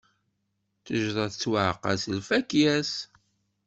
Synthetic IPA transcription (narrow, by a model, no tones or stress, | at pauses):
θəʒðˤɑθət͡sːwaʕqːɑ̰səlfækjæs